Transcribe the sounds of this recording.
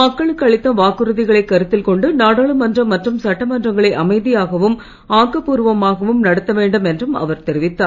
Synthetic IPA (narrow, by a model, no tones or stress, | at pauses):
mɐkːɐɭɯkːɯɐɭɪt̪ːɐʋaːkɯɾɯðɪɣɐɭɐɪkːɐɾɯt̪ːɪlkɔɳɖɯnaːɽaːɭɯmɐndrɐmːɐʈrɯmsɐʈːɐmɐndrɐŋɡɐɭɐɪʔɐmɐɪðɪjaːɣɐʋɯm | aːkɐpuːɾɯʋɐmaːɣɐʋɯmnɐɽɐt̪ːɐʋeːɳɖɯmɛndrɯmɐ̰ʋɐɾt̪ɛɾɪʋɪt̪ːaː